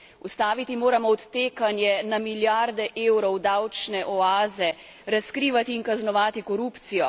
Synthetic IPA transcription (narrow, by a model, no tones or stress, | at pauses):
ust̪aːʋit̪imoːɾamɔɔt̪ːeːkanjɛnamiljaɾd̪ɛʔeːwɾɔwd̪awt͡ʃnɛʔɔaːzɛ | ɾaskɾiːʋat̪iːnkaznɔʋaːt̪ikɔɾuːpt̪sijɔ